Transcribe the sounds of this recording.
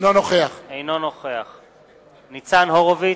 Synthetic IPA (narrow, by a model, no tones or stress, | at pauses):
nonoχeaχejnonoχeaχ | nit͡sanɦoʁovi